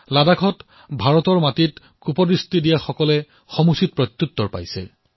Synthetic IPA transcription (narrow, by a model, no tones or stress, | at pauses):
ladaɡʰʱɔt | bʱaɹɔtɔɹmatit | kupɔdɹistidijaxɔkɔlɛ | xɔmusit̚pɹɔt̪jutːɔɹpa̰jsɛ̰